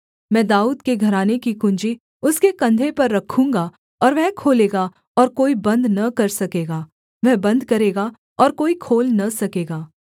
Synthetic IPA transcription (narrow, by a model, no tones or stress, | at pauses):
mɛ̃ːd̪aːuːd̪keɡʱɐɾaːnekikʊ̃ɲd͡ʒi | ʊskekɐ̃nd̪ʱepɐɾːɐkʰːũːŋɡa | ɔːɾʋɛɦkʰoːleːɡa | ɔːɾkoːibɐ̃nd̪nɐkɐɾsɐkeːɡaː | ʋɛɦbɐ̃nd̪ʱkɐɾeːɡa | ɔːɾkoːikʰoːlnɐsɐkeːɡaː